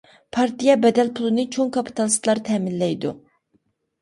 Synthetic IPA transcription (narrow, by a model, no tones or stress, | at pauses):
pʰɑɾt̪ijɛbɛd̪ɛlpʰulˠɨnɨt͡ʃʰoŋkʰɑpʰi̥t̪ʰɑlˠst̪lˠɑɾt̪ʰɛːmɪnlɛjd̪u